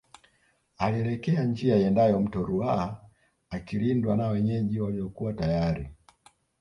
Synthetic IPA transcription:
aliɛlɛkɛand͡ʒiaiɛndajɔm̩tɔɾuaaː | kilindwanawɛɲɛʄiwaliɔkuwatajaɾi

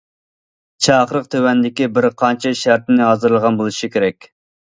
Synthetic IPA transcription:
t͡ʃʰɑːχɾəqt̪ʰøwɛnd̪ɪkʲibɪɾqʰɑnt͡ʃʰɛʃæɾt̪ɪnɪɦɑːzɨɾlˠəʁɑnbolˠuʃikʲeɾɛkʲ

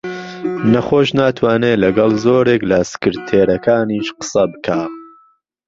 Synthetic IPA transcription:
nɐχoːʃnaːt̪ʰwaːneːlɐɡɐlˠzoːɾeːklɐsɨ̥kɨɾt̪ʰeːɾɐkʰaːniːʃqə̥sɐbɨkʰaː

